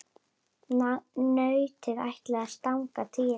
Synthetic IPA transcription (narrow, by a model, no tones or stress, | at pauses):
nœːɥt̪ɪðajht̪lɛɣast̪awŋkat̪ʰɪ